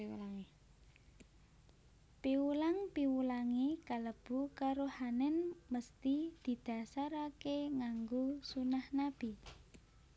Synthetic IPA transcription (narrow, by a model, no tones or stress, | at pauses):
lŋ | piwulaŋpiwulaŋikaləb̥ukaɾohanɛnməst̪id̪̥i̤d̪̥a̤saɾakeŋaŋɡosunahnab̥i